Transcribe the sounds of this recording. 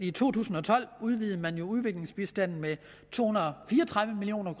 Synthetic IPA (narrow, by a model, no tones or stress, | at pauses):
it͡sʰo̝̰ːt͡sʰṵːsn̩ɒ̽t͡sʰɒ̽l̰uð̞ˠʋiːð̞̩ˠmænjo̝uð̞ˠʋe̝ɡ̥le̝ŋsb̥isd̥æn̰n̩me | t͡sʰo̝̰ːhunɐfiːɐɒt͡sʰʁäðˠʋəmilio̝̰ːnɐkʰ